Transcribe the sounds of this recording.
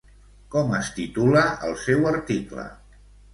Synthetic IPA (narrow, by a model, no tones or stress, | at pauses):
kɔməst̪it̪uləə̰lˠsɛwəɾt̪iklə̰